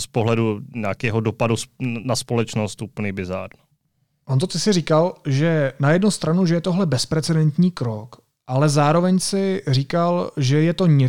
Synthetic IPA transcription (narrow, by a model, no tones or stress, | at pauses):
spoɦlɛduɲaːkɛːɦodopadusnaspolɛt͡ʃnost̪ʔuːpl̩ɲibɪza̰ːɾn | ʔont̪o̞t̪ɪsɪrikalʒɛnajɛdnust̪ɾanuʒɛjɛt̪oɦlɛbɛspɾɛt͡sɛdɛnt̪ɲiːkɾo̞k | ʔalɛzaːɾo̞vɛɲsɪriːkalʒɛjɛt̪o̞ɲɛ